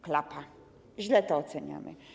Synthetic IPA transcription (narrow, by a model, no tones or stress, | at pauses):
klapa | ʑlɛt̪ɔɔt̪sɛɲa̰mɘ̰